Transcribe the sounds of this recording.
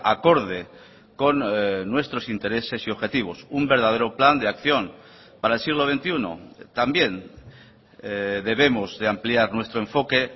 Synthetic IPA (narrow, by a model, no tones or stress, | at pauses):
ako̞ɾðe | ko̞nːwe̞st̪ɾo̞sint̪e̞ɾe̞se̞sio̞βxe̞t̪iβ̞o̞sumbe̞ɾð̞að̞e̞ɾopland̪eakθjo̞n | paɾaelsiɣ̞lo̞βe̞nt̪iuno̰t̪ambje̞n | d̪e̞β̞e̞mo̞zðeampliaɾnwe̞st̪ɾoẽ̞ɱfo̞ke̞